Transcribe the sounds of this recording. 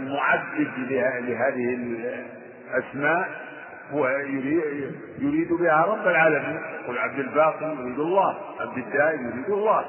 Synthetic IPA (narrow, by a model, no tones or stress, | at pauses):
lmʊʕad̪ːɪd̪lɪalɪɦaːðɪhɪl | ʔasmaːʔ | hʊwjʊɾi | jʊɾiːd̪bɪhaɾˤɑbːalʕaːlamiːnjaquːlʕab̚d̪ɪlbaːqɨɾjʊɾiːd̪alˤːɑːhʕabd̪ɪd̪ːaːʔjʊɾiːd̪alˤːɑː